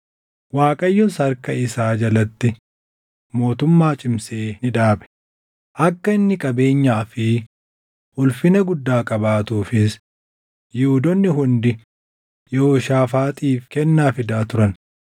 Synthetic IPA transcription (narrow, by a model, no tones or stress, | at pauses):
waːkʼɐjːʊnsɐɾkɐɪsaːd͡ʒɐlɐt̪ːɪ | mo̞ːt̪ʊmːaːt͡ʃʼɪmseːnɪᶑaːɓɛ̥ | ʔɐkːɐɪnːɪkʼɐbe̞ːɲːaːfɪ | ʔʊlfɪnɐɡʊd̪ːaːkʼɐbaːt̪uːfɪs | jʊʊd̪ɔnːɪɦʊnd̪ɪ | joːʃaːfaːt̪ʼiːfkɛnːaːfɪd̪aːt̪ʊɾɐn